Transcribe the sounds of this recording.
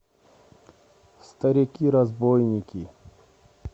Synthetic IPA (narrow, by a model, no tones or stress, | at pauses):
st̪ɐɾʲikʲiɾɐzbojnʲikʲi